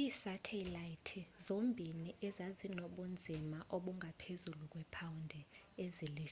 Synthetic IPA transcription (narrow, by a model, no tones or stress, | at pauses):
iːsatʰɛlajitʰizombʱiniʔɛzazinoɓund͡zʱimaʔoɓuŋɡʱapʰezuluk̬ʼwɛpʰawundʱɛezili